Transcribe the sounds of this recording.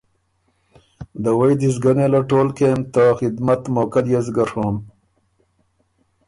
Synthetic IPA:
d̪əwɐjd̪izɡɐnelaʈoːlkeːmt̪axid̪mɐt̪moːkɐljezɡɐɾhoːm

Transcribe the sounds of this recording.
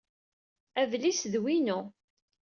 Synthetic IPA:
ævlisðwinu

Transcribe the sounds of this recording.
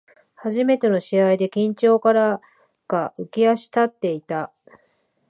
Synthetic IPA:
haʑime̞t̪e̞no̞ɕiaid̪e̞kʲĩɲt͡ɕo̞ːkaɾa | ɡ̥aɯ̟kʲiaɕi̥t̪at̪ːe̞it̪a

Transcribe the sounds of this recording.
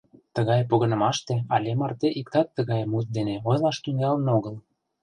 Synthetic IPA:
t̪ə̆ɣɑjpoɣɤ̆nɤ̆mɑʃt̪eɑlʲemɑrt̪eʔik̚t̪ɑt̪ːəɣɑjmut̪̚d̪eneojlɑʃt̪yŋɑlənoɣɤl

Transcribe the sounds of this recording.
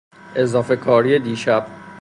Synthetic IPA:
ʔezɒːfe̞kʰɒːɾijed̪iːʃæb̥̚

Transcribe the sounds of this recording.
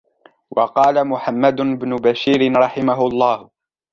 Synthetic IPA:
wʔɑqɑːlamʊħamːad̪ʊɪbnʊbaʃiːɾɪɾˤɑħɪmaɦʊlˤːɑːh

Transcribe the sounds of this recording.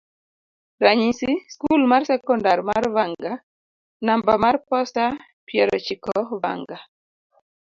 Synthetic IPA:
ɾaɲisiskulmarsɛkɔndarmarwaŋɡa | nambamarpɔsta | pjɛɾɔt͡ʃikɔwa̰ŋɡa

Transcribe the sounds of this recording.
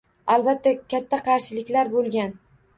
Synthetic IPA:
albat̪ʰːakʲʰat̪ʰːaqʰɑɾʃɪlɪkʲlaɾbolˠɡʲan

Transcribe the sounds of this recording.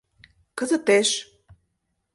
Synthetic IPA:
kə̆zət̪eʃ

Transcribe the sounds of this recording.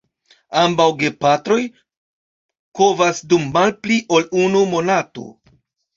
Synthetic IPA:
ambawɡe̞patɾo̞j | ko̞vasdumːalpliʔo̞lunumo̞nato̞̰

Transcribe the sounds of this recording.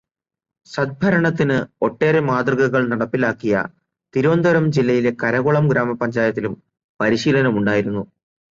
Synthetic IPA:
ɕɐd̪̚bʱɐɾɐɳɐt̪ːinɨo̞ʈːe̞ːɾemaːd̪rɨɣɐɣɐɭnɐɽɐpːilaːkːijɐ̰ | t̪iɾoːnd̪ʱɐɾɐmd͡ʑilːɐjile̞kɐɾɐɣoɭɐmɡɾaːmɐpːɐɲd͡ʑaːjɐt̪ːilum | pɐɾiɕiːlɐnɐmuɳɖaːjiɾunːu

